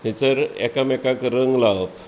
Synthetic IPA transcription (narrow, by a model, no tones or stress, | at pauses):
ɦet͡səɾɛ̰kamɛkakɾəŋɡlaw